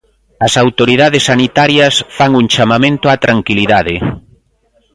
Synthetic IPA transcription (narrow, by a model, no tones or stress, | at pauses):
ɐsawt̪oɾiðaðesːanit̪aɾjɐsfaŋuŋt͡ʃamamẽnt̪ʊat̪ɾaŋkiliðaðɪ